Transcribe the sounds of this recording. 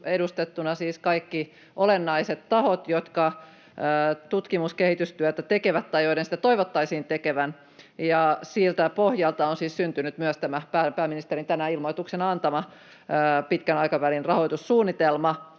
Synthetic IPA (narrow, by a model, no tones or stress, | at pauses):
edust̪et̪ːunɑsiːskɑikːi | ʔolenːɑiset̪t̪ɑhot̪jot̪kɑː | t̪ut̪kimuskehit̪yst̪yœt̪æt̪ekeʋæt̪tɑjoidensĭ̥t̪æt̪oiʋot̪ːɑisiːnt̪ekeʋæn | jɑsiːlt̪æpohjɑlt̪ɑonsiːssynt̪ynyt̪myœst̪æmæpæːpæːminist̪erint̪ænæilmoit̪uksenɑnt̪ɑmɑː | pit̪kænɑikɑʋælinrɑhoit̪ussuːnːit̪elmɑ